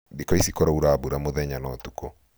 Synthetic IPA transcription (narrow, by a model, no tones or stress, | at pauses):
dikɔisikɔɾauɾabuɾamoðɛɲanɔtukɔ